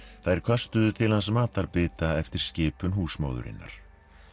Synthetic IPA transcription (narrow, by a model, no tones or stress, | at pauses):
θaðɛɾ̥kʰœst̪ʏðʏt̪ʰɪlhansmaːt̪aɾpɪːt̪aɛft̪ɪɾ̥scɪːpʏnɦuːsmo̰ːwðʏ̰ɾɪ̰nːa̰ɾ̥